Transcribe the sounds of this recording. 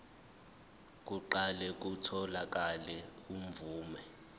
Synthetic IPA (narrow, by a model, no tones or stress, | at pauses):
k̬ʼuǃalɛk̬ʼutʰɔlak̬ʼalɛum̩vuːmɛ